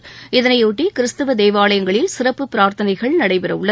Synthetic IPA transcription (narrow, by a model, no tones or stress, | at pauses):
ɪðɐnɐɪuːʈːikɪɾɪst̪ɐʋɐd̪eːʋaːlɐjɐŋɡɐɭɪlsɪrɐpːɯpɪɾaːɾt̪ɐnɐɪɣɐɭnɐɽɐɪpɪɾɐʊɭːɐ